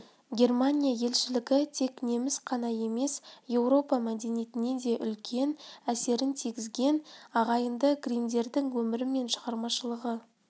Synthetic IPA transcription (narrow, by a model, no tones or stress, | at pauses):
ɡʲe̞rmanʲijaje̞lʃɪlɪɡʲɪt̪ʰe̞kne̞mɪsqʰɑnɑje̞me̞sje̞wɾo̞pɑmæd̪e̞nijet̪ɪne̞d̪e̞ʔʏlkʲʰe̞næse̞ɾɪnt̪ʰiɡʲɪzɡʲe̞nɑʁɑjənd̪əɡrind̪e̞ɾd̪ɪŋwɵmɪɾɪme̞nʃə̥ʁɑɾmɑʃəlˠəʁə